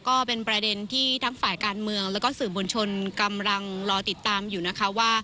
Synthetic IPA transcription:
kɔː˥˩pe˧npɾa˧de˧nt̪ʰiː˥˩t̪ʰa˦˥ŋfaː˨˩jkaː˧nmɯ˧əŋlɛː˦˥wkɔː˥˩sɯː˨˩mo˧nt͡ɕʰo˧nka˧mla˧ŋɾɔː˧t̪i˨˩t̪ːaː˧mjuː˨˩na˦˥kʰa˦˥waː˥˩

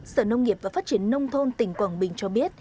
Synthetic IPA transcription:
sə̰ː˧˨nə˧wŋ͡mŋi˨˩əp̚vaː˨˩faː˦˥t̚t͡ɕḭ˧˩ənnə˧wŋ͡mt̪ʰo˧nt̪ï˨˩ŋ̟kwaː˧˩nɓï˨˩ŋ̟t͡ɕɔ˧ɓi˦˥ət̚

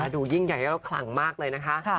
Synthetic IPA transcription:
aː˧duː˧ji˥˩ŋja˨˩jkʰla̰˨˩˦ŋmaː˥˩k̚lɤː˧jna˦˥kʰa˦˥ʔʰ

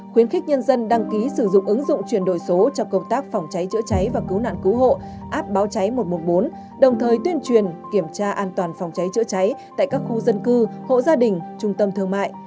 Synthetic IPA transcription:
xwi˨˦ənxɪ˦˥k̟̚ɲə˧nzə˧nɗa˧ŋki˨˦sɨ˧˩zʊ̰˧˨ŋ͡mʔɨ˨˦ŋzʊ̰˧˨ŋ͡mt͡ɕwi˧˩ənɗo˧˩jso˨˦t͡ɕɔ˧kə˧wŋ͡mt̪aː˦˥k̚fa˨˩wŋ͡mt͡ɕa˨˦jt͡ɕɨ̰˧˥ət͡ɕa˨˦jvaː˨˩kɨ˨˦wna̰ː˧˨nkɨ˨˦wɦo̰˧˨ | ʔaː˦˥p̚ɓaː˨˦wt͡ɕa˨˦jmo˨˩t̚mo˨˩t̚ɓo˨˦n | ɗə˨˩wŋ͡mt̪ʰəː˨˩jt̪wi˧ənt͡ɕwi˨˩ənki˧˩əmt͡ɕaː˧ʔaː˧nt̪waː˨˩nfa˨˩wŋ͡mt͡ɕa˨˦jt͡ɕɨ̰˧˥ət͡ɕa˨˦jt̪a̰ː˧˨jkaː˦˥k̚xu˧zə˧nkɨ˧ho̰˧˨zaː˧ɗï˨˩ŋ̟t͡ɕʊ˧ŋ͡mt̪ə˧mt̪ʰɨ˧əŋma̰ː˧˨jʔ

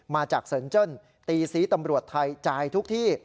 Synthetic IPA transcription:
maː˧t͡ɕaː˨˩k̚sɤː˩˦nt͡ɕɤ˥˩n | t̪iː˧siː˦˥t̪a˧mɾu˨˩ət̪ʰːa˧jt͡ɕaː˧jt̪ʰu˦˥k̚t̪ʰiː˥˩

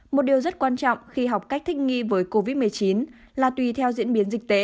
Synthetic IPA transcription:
mo˨˩t̚ɗi˨˩əwzə˦˥t̚kwaː˧nt͡ɕɔ̰˧˨wŋ͡mxi˧ɦa˨˩wk͡p̚ka˦˥k̟̚t̪ʰï˦˥k̟̚ŋḭ˧vəː˨˦jko˧vi˦˥t̚mɨ˨˩əjt͡ɕi˨˦n | laː˨˩t̪wi˨˩t̪ʰɛ˧wzḭ˧˥ənɓi˨˦ənzï˨˩k̚t̪ḛ˧˦

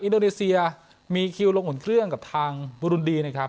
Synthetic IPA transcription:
ʔi˧ndoː˧neː˧si˧ɐ | miː˧kʰi˧wlo˧ŋʔu˩˦nkʰɾɯ˥˩əŋka˨˩p̚t̪ʰaː˧ŋbu˧ɾu˧ndiː˧na˥kʰɾa˦˥p̚

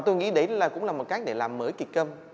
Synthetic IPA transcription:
t̪o˧jŋḭ˧˥ɗe˧˥laː˨˩kʊ̰˧˥ŋ͡mlaː˨˩mo˨˩t̚kaː˦˥k̚ɗe˧˩laː˨˩mːəː˧˦jki˨˩t̚kə˧m

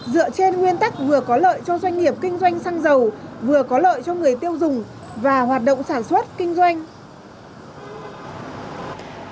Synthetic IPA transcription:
zɨ̰˧˨ət͡ɕe˧nŋwi˧ənt̪a˦˥k̚vɨ˨˩əkɔ˨˦lə̰ː˧˨jt͡ɕɔ˧zwa˧jŋ̟ŋi˨˩əp̚kï˧ŋ̟zwa˧jŋ̟saː˧ŋzə˨˩wvɨ˨˩əkɔ˨˦lə̰ː˧˨jt͡ɕɔ˧ŋɨ˨˩əjt̪i˧əwzʊ˨˩ŋ͡m | vaː˨˩ɦwaː˨˩t̚ɗo̰˧˨ŋ͡msaː˧˩nswə˦˥t̚kï˧ŋ̟zwa˧jŋ̟

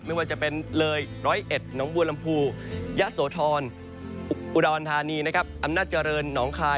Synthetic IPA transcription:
ma˥˩jwaː˧˩t͡ɕa˨˩pe˧nlɤː˧jɾɔː˦˥ʔe˨˩t̪̚nɔː˩˦ŋbu˧əla˧mpʰuː˧ | ja˦˥ʔsoː˩˦t̪ʰɔː˧n | ʔu˨˩dɔː˧nt̪ʰaː˧niː˧na˦˥kʰa˦˥p̚ʔa˧mnaː˥˩t̪̚t͡ɕa˧ɾɤː˧nːɔː˩˦ŋkʰaː˧

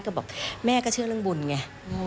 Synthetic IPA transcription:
kɔ˥˩bɛː˨˩p̚mɛː˥˩kɔː˥˩t͡ɕʰɯ˥˩əlɯ˥˩˨ŋbu˨˩nŋa˧˩˧

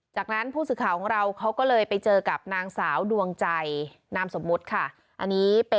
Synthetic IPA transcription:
t͡ɕaː˨˩k̚na˦˥npʰuː˥˩sɯː˨˩kʰaː˩˦kʰɔː˩˦ŋɾa˧wkʰa˦˥wkɔː˥˩lɤː˧jpa˧jt͡ɕɤː˧ka˨˩p̚naː˧ŋsaː˩˦wdu˧əŋt͡ɕa˧j | naː˧˥mso˩˦mːu˦˥t̪̚kʰa˥˩ | ʔa˧nːiː˦˥pe˧

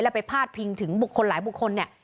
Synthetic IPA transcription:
lɛː˦˥˩pa˧jpʰaː˥˩t̪̚pʰi˧ŋt̪ʰɯ˩˦ŋbu˨˩kʰːo˧nlaː˩˦jbu˨˩kʰːo˧nːi˥˩ɐ

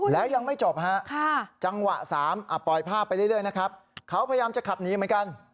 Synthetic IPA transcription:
lɛː˦˥wja˧ŋma˥˩jt͡ɕo˨˩p̚ɦa˦˥ʔkʰa˥˩t͡ɕa˧ŋwa˨˩ʔsaː˩˦mʔa˨˩pɔ˨˩jpʰaː˥˩pːjɾɯ˥˩jɾɯ˥˩əjna˦˥kʰɾa˦˥p̚kʰa˦˥wpʰa˧ja˧jaː˧mt͡ɕa˨˩kʰa˨˩p̚niː˨˦˥mɨ˩˦nka˧n

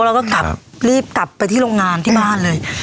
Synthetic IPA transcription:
lɛː˦wkɔː˥˩ka˨˩p̚ɾiː˥˩p̚ka˨˩pːa˧jt̪ʰiː˥˩ɾoː˧ŋaː˧nt̪ʰiː˥˩baː˥˩nlɤː˧j

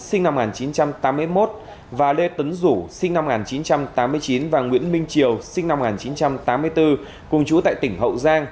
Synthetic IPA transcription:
sï˧ŋna˧m˨ŋaː˨˩nt͡ɕi˨˦nt͡ɕa˧mt̪aː˨˦mːɨ˧əjmo˦˥t̚ | vaː˨˩le˧t̪ə˨˦nzu˧˩sï˧ŋna˧mŋaː˨˩nt͡ɕi˨˦nt͡ɕa˧mt̪aː˨˦mːɨ˧əjt͡ɕi˨˦nvaː˨˩ŋwḭ˧˥ənmï˧ŋ̟t͡ɕi˨˩əwsï˧ŋ̟na˧m˨ŋaː˨˩nt͡ɕi˨˦nt͡ɕa˧mt̪aː˨˦mːɨ˧əjt̪ɨ˧ | kʊ˨˩ŋ͡mt͡ɕu˨˦t̪a̰ː˧˨jt̪ï˧˩ŋ̟ɦə̰˧˨wzaː˧ŋ

